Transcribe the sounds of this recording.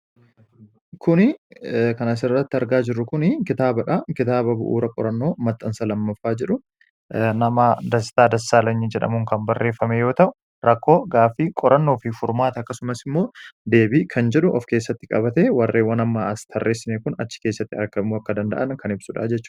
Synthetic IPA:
kʊnɪkɐnɐs̬ɪrːɐt̪ːɪɐɾɡaːd͡ʒɪrːʊkʊnɪkɪt̪aːbɐᶑɐkɪt̪aːbɐbʊ̰ʔṵːɾɐkʼɔ̰ɾɐnːo̞ːmɐt̪ʼːɐnsɐlɐmːɐfːaːd͡ʒɛᶑʊ | nɐmad̪ɐsɪ̥t̪aːd̪ɐsːaːlɐɲːɪd͡ʒɛᶑɐ̰mʊŋkɐnbɐrːe̞ːfːɐmejo̞ːt̪ɐʔʊ | ɾɐkːo̞ːɡaːfikʼɔɾɐnːo̞ːfɪfʊɾmaːt̪ɐɐkːɐsʊmɐsɪmːo̞ːd̪e̞ːbiːkʰɐnd͡ʒɛᶑʊʔɔfke̞ːsːɐt̪ːɪkʼɐbɐt̪eːwɐrːe̞ːwɐnɐmːaːɐst̪ʰɐrːʔeːsɪmekʊnɐ̰t͡ʃːɪ̥ke̞ːsːɐt̪ːɪɐɾkɐmuːɐkːɐd̪ɐnd̪ɐ̰ʔɐnkɐnɪbsʊᶑa̰d͡ʒɛtt͡ʃːʊ̥

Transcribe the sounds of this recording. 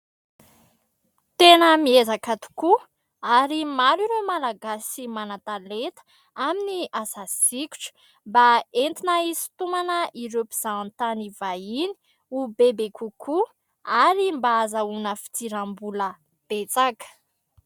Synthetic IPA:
t̪enəmiezakat̪u̥ku | aɾimaɾiɾemalaɡasimanat̪alet̪ə̥ | aminiasasikʲu̥ʈ͡ʂə̥ | mbaent̪inaisi̥t̪umanəʔiɾepiz̥aant̪anivaini̥ | ubebekukʰu | aɾimbaːzaunəfi̥t͡s̪iɾambulə | b̥et͡sakə̥

